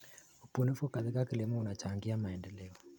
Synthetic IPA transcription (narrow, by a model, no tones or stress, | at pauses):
upunifukaðekakilemɔunat͡ʃaŋɡiamaɛndɛlɛɔ